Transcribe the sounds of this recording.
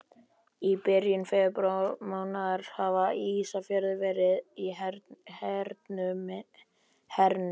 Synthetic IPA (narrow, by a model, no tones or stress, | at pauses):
ipɪɾjʏnfɛpɾolmaːwnaðɾ̥havaisafjœɾðɪvɛːɾɪðihɛɾt̪nʏ | hɛɾnʏ